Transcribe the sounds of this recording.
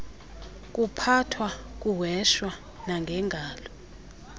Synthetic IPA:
k̬ʼupʰatʰwak̬uwɛʃwa | naŋɡʱɛŋɡʱaːlɔ

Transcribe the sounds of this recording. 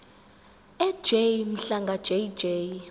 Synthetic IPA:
ɛ̥d͡ʒejm̩ɬaŋɡʱḁd͡ʒ̥ejd͡ʒej

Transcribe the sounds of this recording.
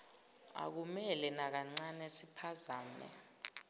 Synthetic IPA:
a̰k̬umɛlɛnak̬aŋ͡ǀanɛsipʰazaːmɛ̰

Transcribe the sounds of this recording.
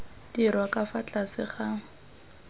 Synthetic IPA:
dirwakʼafat͡ɬʼasɪ̰χa

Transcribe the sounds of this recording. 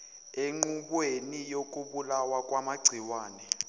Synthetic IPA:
eŋ͡ǃuɓwenijok̬ʼuɓulawakʼwamaɡ͡ǀʱiwaːnɛ

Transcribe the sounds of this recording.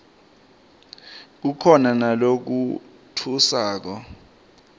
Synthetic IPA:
k̬ukʰɔnanalok̬u | tʰusaːk̬ɔ

